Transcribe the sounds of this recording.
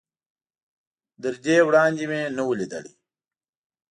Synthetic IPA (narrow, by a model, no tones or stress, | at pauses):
d̪əɾd͡ʒeːwɽɑːnd̪imenəwulid̪ə̰ɽḭ